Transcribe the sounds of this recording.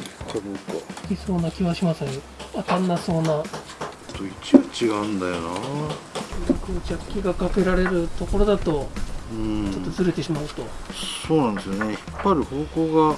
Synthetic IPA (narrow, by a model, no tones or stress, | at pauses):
kad̪okːa̰kʲiso̞ːnakʲiβaɕimaseɾ | at̪ãnːaso̞ːna | t̪oit͡ɕibɯt͡ɕiɡaɯ̟̃nd̪ajona | ɾakɯːt͡ɕakʲːiɡakake̞ɾaɾe̞ɾɯ̟t̪o̞ko̞ɾo̞d̪at̪o̞ɯ̃t͡ɕo̞t̪ːozɨɾe̞t̪e̞ɕimaɯ̟t̪o̞so̞ːnand̪esɨjonei̥pːaɾʲiho̞ːko̞ːɡa